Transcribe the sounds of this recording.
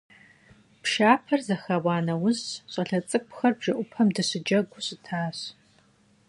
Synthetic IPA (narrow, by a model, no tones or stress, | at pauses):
pʃaːpʰɐrzɐxawɑːnɐwʊzɕʼɐɬɐt͡sʼɨk̚ʷʼxɐrbʒɐʔʷʊpʰɐmdɨɕɪd͡ʒɐɡʷʊɕʼɪtʰaːɕ